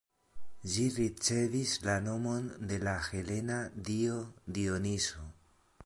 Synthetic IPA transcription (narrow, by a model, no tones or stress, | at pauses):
d͡ʒiɾit͡se̞vislano̞mo̞nde̞laxe̞le̞nadiodio̞niso̞